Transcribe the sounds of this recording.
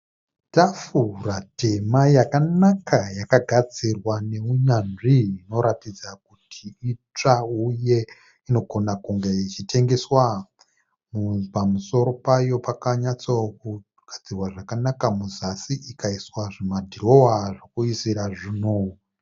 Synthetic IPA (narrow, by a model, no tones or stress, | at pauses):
tafurate̞majakanakajakaɡʱad͡zirwane̞uɲanʐiːno̞ɾatid͡zak̚utʰiit͡ʂauje̞ | ino̞ɡʱo̞nakuŋɡeit͡ʃitʰe̞ŋɡe̞swa | mupamuso̞ɾo̞pajo̞pakaɲat͡saku | ɡ̥ʱad͡zirwaʐakanakamuzasiʔikaiswaʐimadʱiro̞waʐokuisiɾaʐino